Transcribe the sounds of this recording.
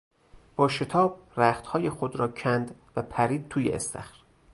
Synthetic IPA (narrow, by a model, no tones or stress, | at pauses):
b̥ɒːʃe̞t̪ʰɒːb̥̚ræːxt̪hɒːjexod̪ɾɒːcʰænd̪væpʰæɾiːd̪̚t̪ʰuːjḛest̪ʰæ̰xɾ